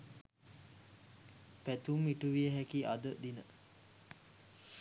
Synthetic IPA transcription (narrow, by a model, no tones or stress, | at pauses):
pæt̪umːiʈuʋijəɦækiʔad̪əd̪inə